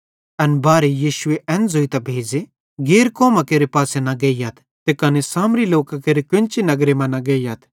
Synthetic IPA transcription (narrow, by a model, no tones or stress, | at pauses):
ɐnbaːɾejiːʃʊeʔɛ̃ːnzoːit̪ɐbʱeːd͡ʒe | ɡeːɾkɔːmãkeːɾepaːsenaɡeːijat̪ʰ | t̪ekɐnesaːmɾiloːkakeːɾekʊɪ̃nt͡ʃinɐɡɾemɐ̃nɐɡeːijaːt̪ʰ